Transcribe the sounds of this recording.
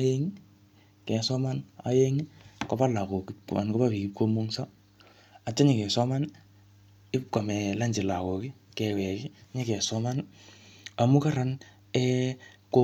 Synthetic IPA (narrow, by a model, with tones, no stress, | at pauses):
a˦je˦ŋi˦ | kɛ˨sɔ˦ma˦na̰˨˦je˦ŋi˦kɔ˦ba˦la˨ko˨ki˦pka˨nkɔ˦pa˦pi˨ki˦p̚ko˦mo˦ŋsa˦ | a˨tːɔ˦ɲɪ˨kɛ˨sɔ˦ma˦n | ɪ˦p̚ka˨mɛ˨la˦ɲd͡ʒɪ˨la˨kɔ˨ki˦ | kɛ˨wɛ˨ki˦ɲe˦kɛ˨sɔ˦ma˦n | a˨mu˦ka˦ɾa˨n | ɛ˦ko˦